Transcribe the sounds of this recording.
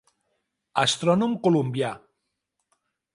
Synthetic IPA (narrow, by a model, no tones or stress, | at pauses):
ast̪ɾɔnumkolumbja